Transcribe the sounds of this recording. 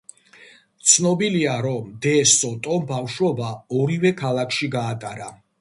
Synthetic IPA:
t̪sʰnɔbiliaɾɔmd̪ɛsɔt̪ʼɔbafʃwɔbaɔɾivɛkʰalˠakʰʃiɡaːt̪ʼaɾa

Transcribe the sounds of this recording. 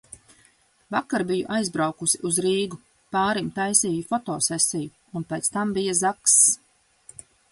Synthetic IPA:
vakːaɾbijṵʔajzbɾawkusiʔuzɾiːɡu | paːɾimt̪ajsiːjufɔt̪ɔːsɛsiju | unpejt̪st̪ambijazaks

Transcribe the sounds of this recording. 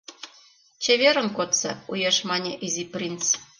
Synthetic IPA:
t͡ɕeβʲeɾɤ̆nkot̪sḛujeʃmɑnʲeʔizʲiprʲint͡s

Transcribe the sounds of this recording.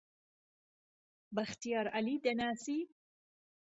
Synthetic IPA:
baxt̪ijɑːɾalid̪anaːsi

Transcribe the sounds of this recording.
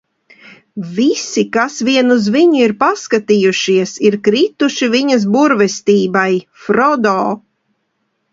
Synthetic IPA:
visikasviɛnuzviɲuiɾpaskat̪ijuʃiɛsiɾkɾit̪uʃiviɲɐs̬buɾvɛst̪iːbajfɾɔd̪ɔː

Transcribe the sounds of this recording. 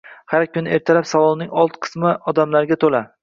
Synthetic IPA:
haɾkʲʰʊnɪe̞ɾt̪ʰalapsavɒlˠnɪŋɒlˠt̪qʰɨ̥smɪɒd̪amlaɾɡʲat̪ʰola

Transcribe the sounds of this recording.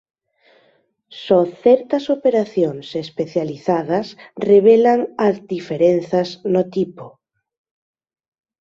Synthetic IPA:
sɔθɛɾt̪ɐsopeɾaθjoŋsespeθjaliθaðɐsreβ̞elaŋald̪ifeɾen̟θɐznot̪ipo

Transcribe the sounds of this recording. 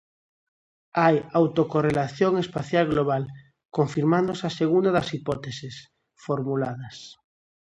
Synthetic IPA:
ajawt̪okorelaθjoŋespaθjalɣloβ̞al | koɱfiɾmãnd̪osaseɣund̪aðasipot̪esis | foɾmulaðas

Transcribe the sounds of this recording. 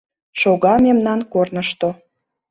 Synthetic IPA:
ʃoɣɑmemnɑnkornəʃt̪o

